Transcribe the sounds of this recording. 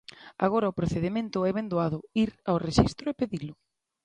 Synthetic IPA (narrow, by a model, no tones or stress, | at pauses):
a̰ɣ̞oɾɐʊpɾoθeðemẽnt̪ʊɛβend̪uaðʊiɾawreʃist̪ɾʊepeðilʊ